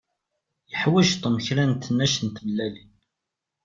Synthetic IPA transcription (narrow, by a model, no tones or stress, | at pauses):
jəħwæʒt̪ˤəməçɾænt̪ənːæʃənt̪vəlːælin